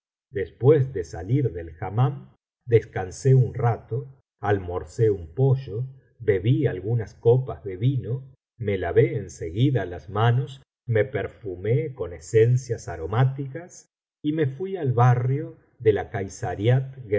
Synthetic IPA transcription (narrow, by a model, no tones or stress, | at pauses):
d̪espwezd̪esaliɾðe̞lxamam | d̪eskanseunrat̪o | almo̞ɾseumpo̞ʒo | be̞βialɣunaskopazðe̞βino̞ | me̞laβeːnseɣiðalazmanos | me̞peɾfumeko̞nesensjasaɾo̞mat̪ikas | imefwialβarjo | ðelakajsaɾjat̪̚ɣ